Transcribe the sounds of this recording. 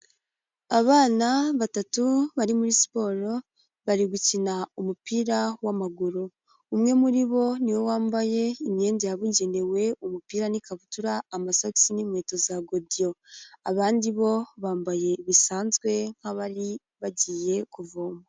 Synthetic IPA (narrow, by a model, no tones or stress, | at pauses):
aβaːnaβatatuβaɾimuɾisi̥po̞ɾo̞ | βaɾiɡucinaumupiːɾawamaɡuɾuː | mŋe̞muɾiβo̞niwo̞waːmbaje̞imɲe̞ːndejaβuɲɟe̞ne̞we̞umupiːɾanikaβutuɾaːmasoksinimwe̞ːto̞zaɡo̞dijo̞aβaːndiβo̞βaːmbaje̞βisaːnzɡwe̞ŋ̥haβaɾi | βaɟiːje̞kuvoːmba